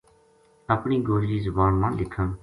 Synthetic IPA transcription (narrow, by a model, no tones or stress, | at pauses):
əpɳiːɡoːliːzʊbaːnmãːlɪkʰə̃ː